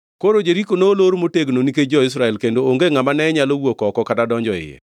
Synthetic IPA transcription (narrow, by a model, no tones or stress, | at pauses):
koɾod͡ʒeɾikonoːloɾmoteɡnoniked͡ʒɔɪs̬ɾaɛlkendooŋɡeŋamanɛɲalowokɔkɔkatadɔɲd͡ʒɔɪ̰jɛ̰